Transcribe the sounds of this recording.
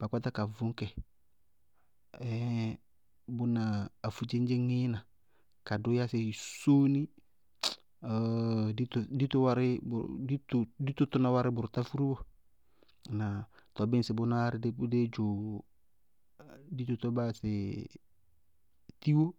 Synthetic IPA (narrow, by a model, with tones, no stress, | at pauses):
b̥a˨kʷa˦ta˦ka˨vʊ˦ŋ˦kɛ˨ | ɛ˦ | bʊ˦naː˨fu˨d͡ʒe˦n˦d͡ʒe˦ŋɪ˦na˨ | ka˨dʊ˦ja˦sɪ˨so˦ni˦˨ | di˦tdi˦tʊ˦wa˦ɾɪ˦b̰tʊ˦di˦t̪ʊ˦tʊ˦na˦wa˦ɾɪ˦bʊ˨ɾta˦fu˦ɾu˦bo˦ | na˨t̪ɔ˨bɪ˦nsɪ˨bʊ˦na˦ɾɪ˦dde˦d͡ʒʊ˨ | di˦t̪ʊ˦t̪ɔ˦ba˦sɪ˨ | ti˦wo˦